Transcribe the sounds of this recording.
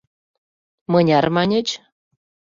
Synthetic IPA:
mɤnʲɑrmɑnʲet͡ɕ

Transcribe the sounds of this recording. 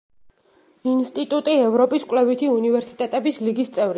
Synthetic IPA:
inst̪ʼit̪ʼut̪ʼiɛvɾɔpʼiskʼlɛvit̪ʰiunivɛɾsi̥t̪ʼɛt̪ʼɛbisliɡist̪sʼɛvɾi

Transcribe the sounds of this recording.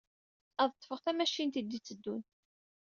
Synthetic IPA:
ɑðˤət̪ˤːfəʁθæmæʃint̪id̪ːit͡sːəd̪ːun

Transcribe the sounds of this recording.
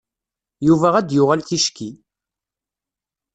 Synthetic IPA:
juvæʁæd̪jʊʁælθiʃki

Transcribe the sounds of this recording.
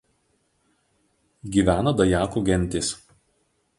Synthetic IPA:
ɡʲiːˑʋʲæːnɐd̪ɐjæːkuɡʲɛnʲˑt̪ʲeːs

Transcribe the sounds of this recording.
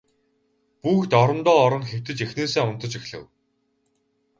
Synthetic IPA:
puːxt̪ɔɾə̆nt̪ɔːɾɞ̆nxew̥t̪ɘ̆t͡ɕexneːseːʊn̥t̪ə̆t͡ɕexɮɘ̰̆w

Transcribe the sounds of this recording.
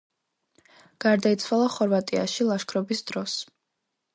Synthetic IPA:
ɡ̥aɾd̪ait̪sʰwalˠaχɔɾvat̪ʼia̰ʃilˠaʃkʰɾɔbisd̪ɾɔs

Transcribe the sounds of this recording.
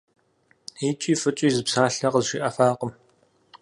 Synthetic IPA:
iːt͡ʃʼiːfɨt͡ʃʼiːzɨpsaːɬɐqəzʃiːʔɐfaːqəm

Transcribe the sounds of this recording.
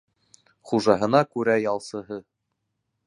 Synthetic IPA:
χuʒɑɦɤ̆nɑkʉɾæjɑlˠsɤ̆ɦɤ

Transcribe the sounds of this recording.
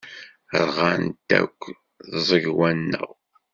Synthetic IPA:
ɾʁant̪æ̰kʷː | ðzˤəʝwænːə̰ʁ

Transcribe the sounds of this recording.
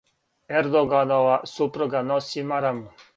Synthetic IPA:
ɛɾd̪oɡanɔʋasupɾuɡanɔsimaɾamu

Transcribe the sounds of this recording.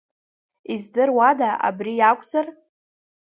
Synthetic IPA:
izdɨrwadaʔa̰brijakʷʼd͡zar

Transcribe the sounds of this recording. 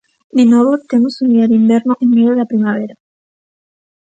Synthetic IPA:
d̪enoβot̪emosund̪iaɾimbeɾnoʔeŋmeðjoðapɾimaβeɾa

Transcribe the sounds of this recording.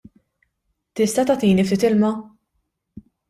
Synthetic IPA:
t̪ɪst̪ɐt̪ɐt̪iːnift̪iːt̪ɪlmɐ

